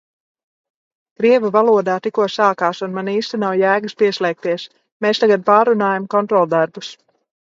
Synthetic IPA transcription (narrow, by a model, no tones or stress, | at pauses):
kɾiɛvuvalˠuɔd̪aːt̪ikuɔsaːkaːsunmaniːst̪inawjæːɡɨspiɛslɛːk̚t̪iɛs | meːst̪aɡad̪̚paːɾunaːjamkɔnt̪ɾɔlˠd̪aɾbus